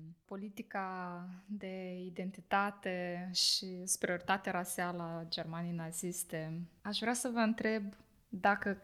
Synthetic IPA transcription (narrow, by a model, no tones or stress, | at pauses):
po̞lit̪ikad̪e̞id̪e̞nt̪it̪at̪e̞ʃisu̥pɾioɾit̪at̪eaɾasialəad͡ʒe̞rmanijnazist̪e̞aʃvɾeasəvəɨnt̪ɾe̞b | d̪akə